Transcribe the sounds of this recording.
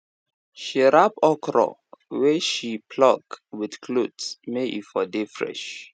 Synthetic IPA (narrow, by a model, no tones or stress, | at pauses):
ʃiɹapɔkɹɔ̰wɛʃipʰlɔk̚widkʰlutsmeʔḭfɔdefɹɛ̰ʃ